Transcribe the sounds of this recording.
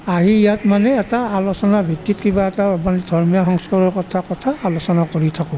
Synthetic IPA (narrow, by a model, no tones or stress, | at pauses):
aɦiijatmanɛːtaalosɔnabʱitːitkibaɛtamanidʱɔɹmijɔxɔŋskaɹɔɹkɔtʰakɔtʰaːlosɔnakoɹitʰakɔ